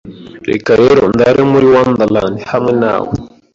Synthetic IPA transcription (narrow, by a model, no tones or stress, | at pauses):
ɾḛkaɾeɾond̪aɾemuɾiwand̪aland̪ihamwɛna̰wu